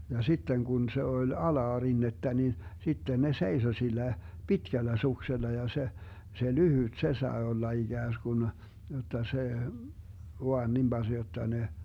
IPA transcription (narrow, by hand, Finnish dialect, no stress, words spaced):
jɑ sitːen ɡ̊un se olʲ ɑlɑːrinːetːæ ni sitːen ne seiso silˑæ pitkælːæ sukselːɑ jɑ se se lyhyt se sɑe olːɑ iɡ̊æːsɡ̊un jotˑɑ se ʋoɑn nim bɑz̥ jotːɑ ne